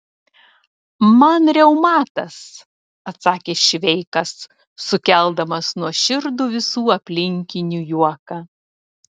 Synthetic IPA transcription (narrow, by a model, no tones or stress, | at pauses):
mɐnɾʲɛʊmɑːt̪ɐs | ɐt̪sɑːkʲeːʃʲʋʲɛɪkɐsː | ʊkʲɛlˠd̪ɐmɐsnuɔʃʲɪɾd̪uːʋʲɪsuːɐpʲlʲɪŋʲkʲɪnʲujuɔkɑː